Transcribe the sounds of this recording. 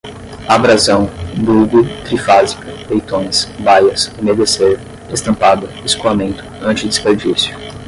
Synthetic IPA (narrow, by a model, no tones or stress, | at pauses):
abɾazɐ̃w̃b̪uɡʊt̪ɾifazikɐlejt̪õj̃sbajɐsomed̪eseɾ | est̪ɐ̃pad̪ɐ | iskuamẽnt̪ʊ̥ɐ̃nt͡ʃɪd̪ɪspeɾd͡ʒisjʊ̥